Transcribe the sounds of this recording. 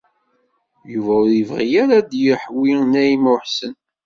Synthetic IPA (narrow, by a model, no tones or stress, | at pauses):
juvæðivʁijaɾad̪jəħwinæjimʊħsən